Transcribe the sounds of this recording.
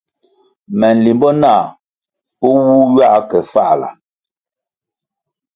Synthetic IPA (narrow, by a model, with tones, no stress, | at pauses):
mɛ˨n˨li˨mbɔ˦naː˦˨ | pɔ˦wu˦ɥa˦kɛ˨fa˦˨la̰˨